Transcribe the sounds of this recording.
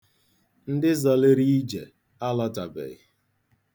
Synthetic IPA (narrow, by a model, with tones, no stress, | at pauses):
n̩˦dɪ˦zɔ˨lɪ˦ɾi˦d͡ʒḛ˨ | a˦lɔ˦ta˨bḛ˨ɪ˦